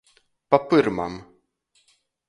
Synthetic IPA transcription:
papɨɾma̰m

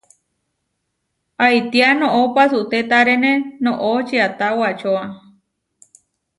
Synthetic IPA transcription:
ajt̪ianõʔopasut̪et̪aɾenẽnõʔot͡ʃiat̪awat͡ʃoa

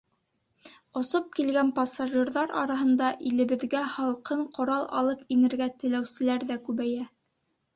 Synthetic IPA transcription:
ŏsop̚kilɡænpɑsaʒɨrðɑɾɑ̰ɾɑɦɤ̆nd̪ɑʔilɘ̆βɘ̆ðɡæhɑlˠqɤɴqŏɾɑlˠɑ̰lˠɤpinɘ̆ɾɡæt̪ɘ̆læwsɘ̆læɾðækʉβæjæ

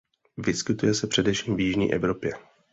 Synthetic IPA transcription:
vɪskɪt̪ujɛsɛpr̥ɛdɛfʃiːmvjɪʒɲḭːʔɛvɾo̞pjɛ

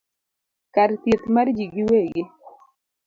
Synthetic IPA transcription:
kaɾt̪it̪maɾd͡ʒiɡɪweɡe

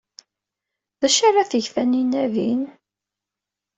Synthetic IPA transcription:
ðæʃarˤaθəʝfæninævḭn

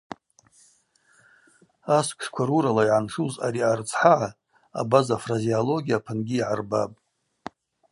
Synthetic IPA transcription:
askʷʰʂkʷʰaɾuɾalaiʕanʂuzaɾiart͡sʰʼħaʕa | a̰bazafraziolo̞ɡʲijapʰɨnɡʲiːʕarbapʼ

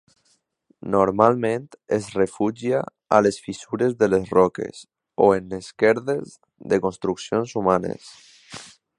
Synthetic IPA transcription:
noɾmalmẽnt̪ezrefuʒia̰ | alesfisuɾezðelesrɔkḛs | oenleskɛɾðez | ðekonst̪ɾuksjonsumanḛs

